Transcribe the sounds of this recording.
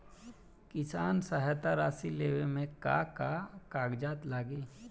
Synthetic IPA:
kɪsaːnsaɦat̪aɾaːsileːʋemẽka̰kakaːɡd͡ʒaːt̪laːɡiː

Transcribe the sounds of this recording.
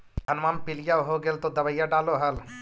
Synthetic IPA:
ɦɐnmaːmpɪlijaɦoɡelt̪od̪ɐbəjaɖaːloɦɐl

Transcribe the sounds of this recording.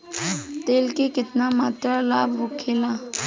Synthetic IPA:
t̪eːlkekɪt̪namaːt̪ɾalaːbʋʊkʰeːlãː

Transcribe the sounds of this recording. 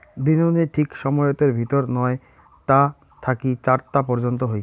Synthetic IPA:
d̪inoniʈʰikʃɔmɔot̪eɾbʱit̪oɾnɔe | t̪a | t̪ʰakit͡ɕaɾt̪apɔɾd͡ʑont̪oɦoj

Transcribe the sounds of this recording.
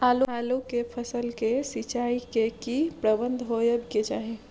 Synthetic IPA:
aloalokepʰəsəlkesit͡ʃaikekipɾəbənd̪ʱɦojəbked͡ʒaːɦe

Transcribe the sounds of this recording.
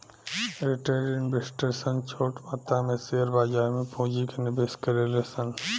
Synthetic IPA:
ɾɪʈaːɖenbɪsʈəɾsə̃ŋɡt͡ʃʰoːʈmaːt̪amẽseəɾbaːd͡ʒaːɾmẽpõːd͡ʒikenɪbeːskɐɾelesə̃ŋ

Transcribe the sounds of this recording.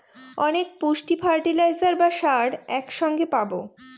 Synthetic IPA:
ɔnekpuʃʈifʰaɾʈilajzaɾbaʃaɖɛkʃɔŋɡepabo̰

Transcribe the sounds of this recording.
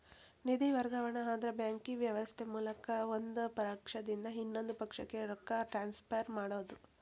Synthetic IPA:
nid̪iʋɐɾɡɐʋɐɳɐɦaːd̪ɾɐbjaːŋkiʋjɐʋɐst̪ʰemuːlɐkɐond̪upɐɾaːkʂɐd̪ind̪ɐɦinːo̞nd̪upɐkʂɐkːe̞ɾɔkːɐʈɾaːnspɐjɐɾmaːɽoːd̪u

